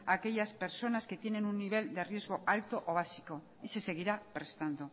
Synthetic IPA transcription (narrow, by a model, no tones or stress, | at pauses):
ake̞ʎaspe̞ɾso̞naske̞t̪je̞ne̞nunːiβ̞e̞ld̪e̞rje̞zɣo̞ʔalt̪o̞ʔoβ̞asiko̞ | ise̞se̞ɣ̞iɾapɾe̞st̪and̪o